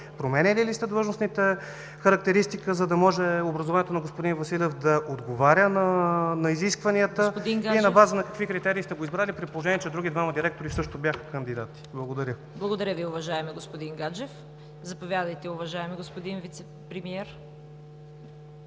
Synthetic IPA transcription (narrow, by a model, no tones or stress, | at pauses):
pɾomɛnɛlilist̪ɛd̪vəʒnosnit̪ɛ | xəɾɐk̚t̪ɛɾist̪ikəzɐd̪ɐmɔʒɛobɾɐzovanɛt̪onɐɡospod̪invɐsilʲɛfd̪ɐʔod̪ɡovaɾʲənɐnɐiziskvɐniət̪əd̪iŋɡinɐbazənɐkɐkvikɾit̪ɛɾiːst̪ɛɡoizbɾalʲipɾit̪̚polˠoʒɛniɛt͡ʃɛd̪ɾuɡʲid̪vaməd̪iɾɛk̚t̪oɾisɤʃt̪obʲjaxə̥kənd̪id̪at̪i̥blˠɐɡod̪ɐɾʲə | blˠɐɡod̪ɐɾʲəviʊvɐʒaɛmɛɡospod̪iŋɡad͡ʒɛf | zɐpovʲjad̪əjt̪ɛʊvɐʒaɛmɛɡospod̪invit̪sɛ | pɾɛmiɛɾ